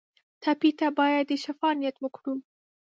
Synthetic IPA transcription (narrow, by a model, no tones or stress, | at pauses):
t̪ʰapit̪abɑjad̪ːeʃafɑnijat̪wəkɽu